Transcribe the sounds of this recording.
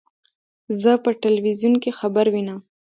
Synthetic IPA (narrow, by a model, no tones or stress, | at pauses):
zəpəʈɪlwizjunkexabaɾwinam